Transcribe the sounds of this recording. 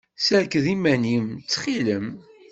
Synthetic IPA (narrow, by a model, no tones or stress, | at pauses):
səɾkðimænimt͡sːχiləm